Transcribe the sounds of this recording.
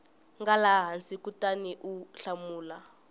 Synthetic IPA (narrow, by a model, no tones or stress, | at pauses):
ŋɡalaɦansikutʼaniʔuɬamuːla